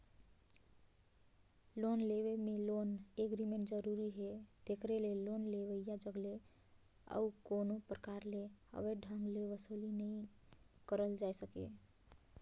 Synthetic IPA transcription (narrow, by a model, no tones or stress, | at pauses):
lonleʋemẽloneɡɾimẽɳʈd͡ʒəɾuɾiɦed̪̥ekɾelelonleʋəjjad͡ʒəɡle | ə̰ukonopɾəkaɾlehə̰ʋeɖʱãŋɡleʋəsolinəĩkəɾəld͡ʒaesəkḛ